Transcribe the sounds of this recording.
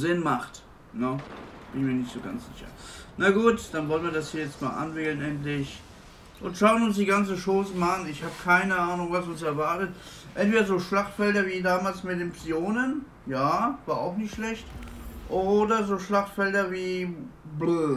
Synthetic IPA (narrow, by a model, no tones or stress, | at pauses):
zɪnmaχt | nəb̥ɪnɪçmiːɐnɪçtz̥oːɡa̰nt͡sz̥ɪ̰çɐ̰naɡuːtd̥anvɔlənviɐdashiːɐjɛt͡stma̰ːlʔa̰nvɪkl̩ənʔɛntlɪç | ʔʊntʃaʊənʊnsd̥iːɡant͡səʃoːsəmaanɪçhaːbəkʰaɪnəʔaːnʊŋvasʊnsɛɐvaɐtət | ʔɛntv̥eːdɐzoːʃlaχtfɛldɐviːdaːmaːlsmɪdɪmpsioːnən | jaːvaːʔaʊxnɪçtʃlɛçtʔoːdɐzoːʃlaχtfɛldɐviːblø